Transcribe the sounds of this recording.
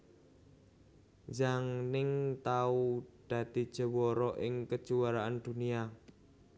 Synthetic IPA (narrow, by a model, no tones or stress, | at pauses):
d͡ʒaŋnɪŋt̪aud̪̥ä̤d̪̥i̤d̥ʒ̥ə̤wɔɾɔʔɪŋkə̥d͡ʒ̥uwaɾaʔand̪̥ṳnia